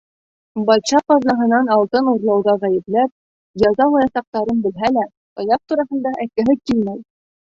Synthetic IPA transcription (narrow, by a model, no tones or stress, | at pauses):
bɑlɕɑqɒzlˠɑɦɤ̆nɑnɑlˠt̪ɤnuɾlˠɑwðɑʁæjɘ̆plæp̚ | jɑzɑlˠɑjɑsɑq̚t̪ɑɾɤnbɘ̆lɦælæ | ɒjɑq̚t̪uɾɑɦɤ̆nd̪ɑʔækɘ̆ɦɘkilmæj